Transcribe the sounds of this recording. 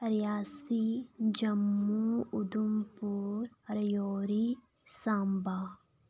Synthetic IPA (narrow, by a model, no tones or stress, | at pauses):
ɾjaːsid͡ʒɐmːuud̪umpuːɾɾɐjoːɾi | saːmbaː